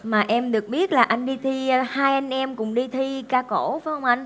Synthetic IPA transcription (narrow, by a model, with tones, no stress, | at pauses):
maː˨˩ʔɛ˧mɗɨ˨˩ək̚ɓi˦˥ət̚laː˨˩ʔa˧jŋ̟ɗi˧t̪ʰi˧haː˧jʔa˧jŋ̟ʔɛ˧mkʊ̰˧˥ŋ͡mɗi˧t̪ʰi˧kaː˧ko˧˩faː˨˦jhə˧wŋ͡mʔa˧jŋ̟